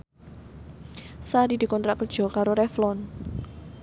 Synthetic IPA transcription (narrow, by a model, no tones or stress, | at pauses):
saɾid̥̪i̤kɔnt̪ɾakərd̥ʒ̥ɔ̤kaɾoɾɛflɔn